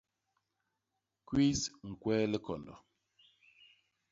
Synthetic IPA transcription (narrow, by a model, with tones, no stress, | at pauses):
kwi˦sŋ̩˨kwɛː˦lɛ˦kɔ̰˨ndɔ̰˨